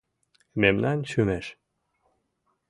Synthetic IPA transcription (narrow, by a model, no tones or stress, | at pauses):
memnɑnʃymeʃ